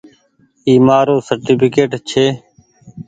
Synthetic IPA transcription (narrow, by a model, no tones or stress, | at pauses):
iːmaːɾoːsəɾʈiːpʰɪkeːʈt͡ʃʰeː